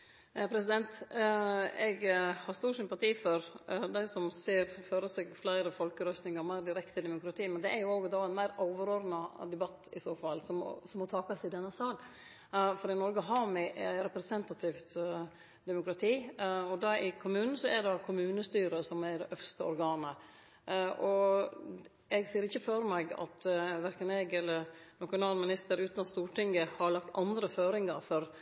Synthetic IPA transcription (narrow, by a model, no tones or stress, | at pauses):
pʰɾɛsɪd̪ɛnt̪ | ɛɡhɑɾst̪uːsʏmpɑt̪ʰiːfɔɾd̪æɪsɔmseːɾføːɾəsɛɡflæɪɾəfɔlkəɾœst̪nɪŋɑɾmæɪɾd̪ɪɾɛkt̪əd̪ɛmʊkɾɑt̪ʰiːmɛnd̪ɛʔɛɾjʊoːɡd̪ɑɛnmæɪɾɔʊʋəɾoːɾnɑd̪ɛbɑt̪ːɪsoːfɑlːsɔmɔ̰sɔmɔt̪ʰɑːkɑsɪd̪ɛnːəsɑːl | fɔɾɪnɔɾɡəɦɑːmɪʔɛɾɛpɾɛsɛnt̪ɑt̪ʰɪft̪ | d̪ɛmʊkɾɑt̪ʰiːɔd̪ɑɪkʰʊmʉːnn̩sɔɛɖɑkʰʊmʉːnəst̪yːɾəsɔmædɛʔœfst̪əɔ̰ɾɡɑːnə | ʔɔ | ɛɡsiːəɾɪçːəføɾmɛɡɑ̰t̪ʋæɾkənɛɡɛlːəɾnɑʃʊnɑːlmɪnɪst̪əɾʉːt̪nɑt̪st̪uːʈɪŋɡəhɑɭɑk̚t̪ɑnd̪ɾəføːɾɪŋɑɾfɔɾ